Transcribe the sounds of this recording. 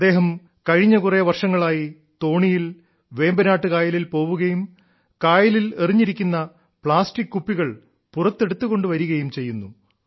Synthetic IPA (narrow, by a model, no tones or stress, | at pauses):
ɐd̪e̞ːɦɐm | kɐɻiɲːɐkureʋɐrʂɐŋːɐɭaːji | t̪o̞ːɳijil | ʋe̞ːmbɐnaːʈːɨkaːjɐlilpo̞ːʋuɣɐjum | kaːjɐlileriɲːiɾikʲːunːɐ | pɭaːstikːupːiɣɐɭ | purɐt̪ːe̞ɽut̪ːuɣo̞ɳɖɨʋɐɾuɣɐjumt͡ɕe̞jːunːu